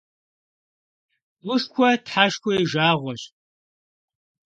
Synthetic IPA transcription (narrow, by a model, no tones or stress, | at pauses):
wʷʊʂkʷʰɔtħaʃkʷɔjʒaːʁʷɔɕ